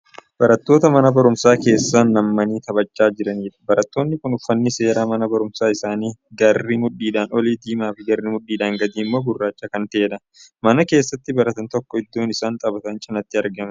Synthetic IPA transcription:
b̥ɐɾɐt̪ːoːt̪ɐmɐnɐbɐɾʊmsaːke̞ːsːaːnːɐmːɐniːt̪ɐbɐt͡ʃʼːaːd͡ʒɪɾɐniːᶑɐ̥bɐɾɐt̪ːo̞ːnːɪkʊnʊfːɐnːɪse̞ːɾaːmɐnɐbɐɾʊmsaːɪsaːniːɡɐrːɪmʊᶑːiːd̪aːnɔliːd̪iːmaːfɪɡɐrːɪmʊᶑːiːd̪aːŋɡɐd̪iːmːo̞ːbʊrːaːt͡ʃːɐkɐnt̪eːᶑ̪ɐ | mɐnɐke̞ːsːɐt̪ːɪbɐɾɐt̪ɐnt̪ɔkːɔɪd̪ːo̞ːnɪsaːnt̪ʼɐbɐt̪ɐnt͡ʃʼɪnɐt̪ːɪɐɾɡɐmɐ

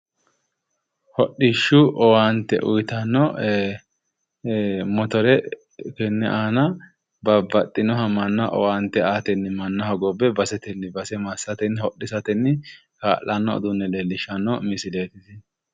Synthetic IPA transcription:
hɔɗiʃːʊʔɔwaːnt̪ɛ̰ʔʊ̰jt̪ɐnːɔ | mɔt̪ɔɾɛ | kɛnːɛʔaːnɐ | bɐbːɐt̪ʼːɪnɔɦɐmɐnːɐʔɔ̰waːnt̪ːɛaːt̪ɛnːɪmɐnːɐɦɐɡɔbːɛbɐsɛt̪ɛnːɪbɐsɛmasːɐt̪ɛnːhɔɗːɪsɐt̪ɛnːɪ | ka̰ːlːɐnːɔɔ̰d̪ʊnːɛlelːɪʃɐnːɔmɪsɪleːt̪ɪsɪ

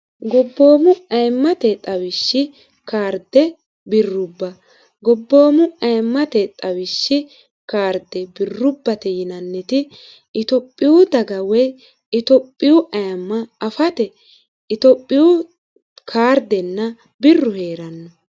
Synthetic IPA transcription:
ɡɔbːo̞ːmʊɐjmːɐt̪ɛt̪ʼɐwɪʃːɪ | kaːɾd̪ɛ | bɪrːʊbːɐ | ɡɔbːo̞ːmʊɐjmːɐt̪ɛt̪ʼɐwɪʃːɪ | kaːɾd̪ɛbɪrːʊbːɐt̪ɛjɪnɐnːɛt̪ɪ | ɪt̪ɔpʼːɪwʊd̪ɐɡɐwɛ | ɪt̪ɔpʼːɪjʊʔɐjɐmːɐɐfɐt̪ɛ | ɪt̪ɔpʼːɪjʊ | kʰaːɾd̪ɛnːɐ | bɪrːʊhe̞ːɾɐnːɐ

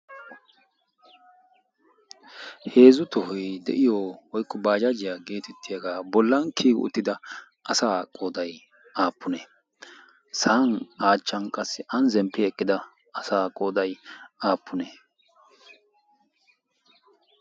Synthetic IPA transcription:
heːzʊt̪ɔhɔjd̪ɛ̰ʔɪjɔːwɔjkːɔbaːd͡ʒad͡ʒɪjaɡe̞ːt̪ɛt̪ːɪjɐɡaːbɔlːɐnkʰiːɡʊ̰ʊ̰t̪ːɪd̪ɐ | ʔɐsaːkʼoːd̪ɐj | aːpːʊneː | sanaːt͡ʃːɐnkʼɐsːɪʔɐnzɛmpːɪɛkʼːɪd̪ɐ | ɐsaːkʼoːd̪ɐjaːpːʊneː

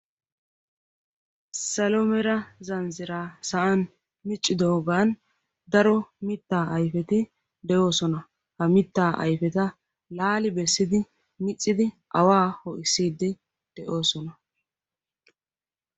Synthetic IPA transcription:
sɐlɔmɛɾɐzɐnzɪɾaːsɐʔɐn | mɪt͡ʃʼːɪd̪oːɡaːn | d̪ɐɾɔmɪt̪ːaːʔɐjfɛt̪ɪ | d̪ɛʔo̞ːsɔnɐ | hɐmɪt̪ːaːʔɐ̰jfɛt̪ɐ | laːlɪbɛsːɪd̪ɪ | mɪt͡sʼːɪd̪ɪ | ʔɐwaːhɔʔɪsiːd̪ːɪ | d̪̥ɛʔo̞ːsɔnɐ

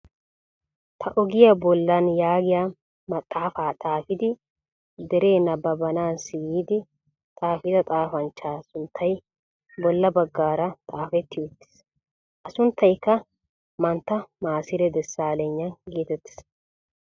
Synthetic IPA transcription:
t̪ʰɐʔɔɡɪjɐbɔlːɐnjaːɡɪja | mɐt̪ʼːaːfaːt̪ʼaːfɪd̪ɪ | d̪ɛɾe̞ːnɐbɐbɐnaːnsɪjiːd̪ɪ | t̪ʼaːfɪd̪ɐt̪ʼaːfɐnt͡ʃːaːsʊnt̪ʰːɐj | bɔlːɐbɐɡːaːɾɐt̪ʼaːfɛt̪ːɪjɔt̪ːɪ̥s | ʔɐsʊnt̪ːɐjkːɐ | mɐnt̪ːɐmaːsɪɾɛd̪ɛsːaːlɛɲːɐnɡeːt̪ɛt̪ːɪ̥s

